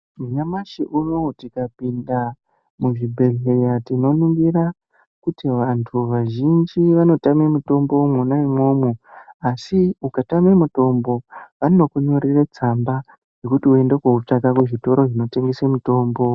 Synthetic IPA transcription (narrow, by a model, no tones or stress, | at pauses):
muɲamaʃiʔunotikapinda | muʐibʱe̞ɮe̞jatino̞niŋɡira | kutiʋantʰuʋaʒind͡ʒiʋano̞tamemuto̞mbo̞munaimwo̞ːmuasiukatamemuto̞mbo̞ʋanokuɲo̞ɾiret͡samba | ʐe̞kutiue̞nde̞kwout͡ʂakakweʐito̞ɾo̞ʐino̞te̞ŋɡesemuto̞ːmbo̞